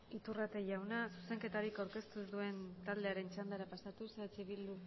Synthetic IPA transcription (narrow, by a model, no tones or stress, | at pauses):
it̪urat̪e̞ʝawnasuse̞ŋke̞t̪aɾikawɾke̞st̪uzðue̞nt̪ald̪e̞aɾe̞nt͡ʃand̪aɾapasat̪uset͡siβild̪u